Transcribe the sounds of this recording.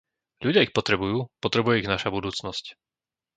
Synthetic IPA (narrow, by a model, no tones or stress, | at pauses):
ʎuɟɪaixpɔt̪ɾɛbujuːpɔt̪ɾɛbujɛiɣnaʃabud̪uːt͡snɔsc